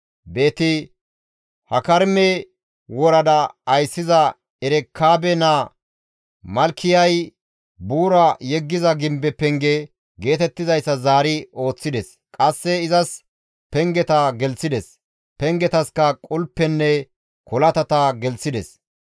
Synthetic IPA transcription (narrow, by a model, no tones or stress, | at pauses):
be̞ːt̪ɪ | hɐkɐɾmɛ | wɔɾɐd̪ɐːjsːɪzɐ | ɛɾɛkʰːaːbɛna | mɐlkːɪjɐj | buːɾɐjɛɡːɪzɐɡɪmbɛpɛŋɡɛ | ɡe̞ːt̪ɛt̪ːɪzɐjsːɐzaːɾɪo̞ːt͡sːɪd̪ɛs | kʼɐsːɛɪzɐs | pɛŋɡɛt̪ɐɡɛlsɪd̪ɛs | pɛŋɡɛt̪ɐskɐkʼʊlpːɛnːɛ | kɔlɐt̪ɐt̪ɐɡɛlsɪd̪ɛs